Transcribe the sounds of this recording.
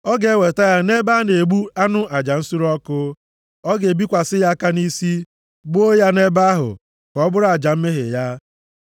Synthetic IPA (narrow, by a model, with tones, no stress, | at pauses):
ɔ˦ɡe˨˦˨we˨ta˦ja˦ne˦ba˦ne˨ɡ͡bu˦a˦nʊ˦a˨d͡ʒa˨n̩˦su˦ɾɔ˦kʊ˦ | ɔ˦ɡe˨bi˦kʷa˨sɪ˦ja˦ka˦ni˦si˦ | ɡ͡bo˦ja˦ne˦ba˦ɦʊ̰˨ | kɔ˨˦bʊ˦ɾa˨d͡ʒa˨m̩˦me˦ɦḛ˨ja˦